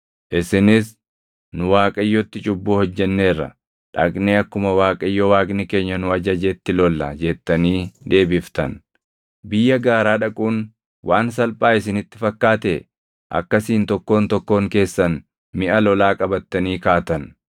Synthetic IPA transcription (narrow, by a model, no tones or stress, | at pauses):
ʔɪsɪnɪs | nʊwaːkʼɐjːot̪ːɪt͡ʃʼʊbːuːhɔd͡ʒːɛnːe̞ːrːɐ̰ | ᶑɐkʼneːɐkːʊmɐwaːkʼɐɪjːoːwaːkʼnɪke̞ːɲːɐnʊɐd͡ʒɐd͡ʒɛt̪ːɪlɔlːɐ̰d͡ʒɛt̪ːɐniːd̪e̞ːbɪft̪ɐ̰n | bɪjːɐɡaːɾaːᶑɐkʼuːn | wʔaːnsɐlpʼaːɪs̬ɪnɪt̪ːɪ̥fɐkːaːt̪e | ʔɐ̰kːɐsiːnt̪ɔkːo̞ːnt̪ɔkːoːŋke̞ːsːɐn | mɪʔɐlɔlaːkʼɐbɐt̪ːɐniːkaːt̪ɐn